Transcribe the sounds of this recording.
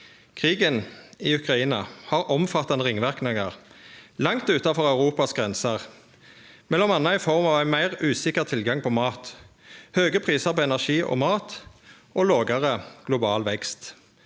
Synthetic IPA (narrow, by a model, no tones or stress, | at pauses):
kʰʁiːɡəniːʉkʁɑiːnɑhɑːʁʔɔmfɑt̪ːɑnəʁɪŋʋæʁknəŋəʁlɑŋt̪ʉːt̪ɑfɔʁɑʉʁuːpɑsɡʁɛnsəʁ | mɛlɔmɑnːəɪfɔʁmɑːʋæɪmæɪʁʉːsɪkəʁt̪ʰɪlɡɑŋpʰɔːmɑːt̪ | høːɡəpʰʁiːsəʁpoːɛnæʁʃiːʔo̰ːmɑːt̪ | ʔoːloːɡəʁəɡ̥lʊbɑːlʋɛkst̪